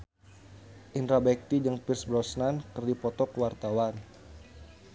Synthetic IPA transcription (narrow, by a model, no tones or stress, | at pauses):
ʔind̪ɾabɛk̚t̪id͡ʒəŋpirsbɾɔsnankərdipɔt̪ɔkəwart̪awan